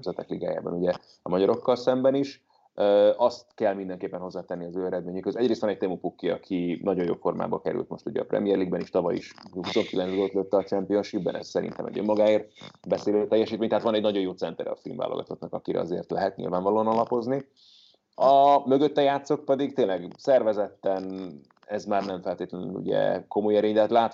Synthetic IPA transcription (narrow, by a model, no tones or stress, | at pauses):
zɛt̪ɛkliɡa̰ːja̰ːbɒ̰nuɟɛ | ɒmɒɟɒɾo̞kːɒlsɛmbɛniʃ | øɒst̪kɛlmind̪ɛŋkeːpːɛnho̞zːaːt̪ɛnːiɒzøːɛɾɛd̪meːɲykhøzɛɟɾeːst̪ʋɒnɛɟ̚t̪emupukːiɒkʰinɒɟo̞jo̰ːfo̞rma̰ːbɒkɛɾy̰lt̪mo̞̰ʃt̪uɟɛ̰ɒprɛ̰mijɛrliɡbɛniʃt̪ɒvɒjḭʃhuso̞ŋkilɛnzɡoːt̪løːt̪ːɛɒt͡ʃɛmpio̞nʃibbɛ̰nɛ̰zsɛɾḭnt̪ɛ̰mɛ̰ɟømːɒɡaːeːrt̪bɛseːløːt̪ɛjːɛʃiːt̪meːɲt̪ɛɦːt̪vɒnɛɟnɒɟo̞joːt̪sɛnt̪ɛɾɛ̰ɒfilmva̰ːlʔoɡɒ̰t̪ʰot̪nɒkɒkiɾɛ̰ɒ̰zḛːrt̪lɛɦɛt̪ɲḭlvaːɱvɒlonɒlɒpo̞zni | ɒmøɡøt̪ːɛjaːt̪so̞k̚pɛd̪iɡt̪eːlɛɡsɛrvɛzɛt̪ːɛn | ɛzmaːrnɛɱfɛlt̪eːt̪lɛny̰nṵɟɛ̰ko̞mojɛɾeːɲlɛt̪laːt̪